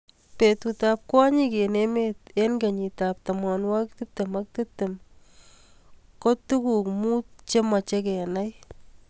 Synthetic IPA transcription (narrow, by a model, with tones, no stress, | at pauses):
pe˨tutap̚kwɔ˦ɲike˨nemetenɡe˨ɲi˨ta˨p̚tamanwa˦k̚tɨ˦te˨ma˦k̚tɨ˦te˨m | ko˦tu˦ku˨kmu˦t̚t͡ʃe˦ma˨t͡ʃe˦kɛ˨na˦j